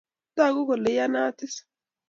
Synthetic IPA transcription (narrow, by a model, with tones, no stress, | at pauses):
t̪ːaː˦˨ɡʊ˦kɔ˨lːɛ˨ja˦naː˦t̪ːɪ˦s